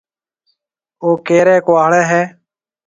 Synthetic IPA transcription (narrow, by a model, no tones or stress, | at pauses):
oːkeːɾɛːkoaːɭɛːɦɛː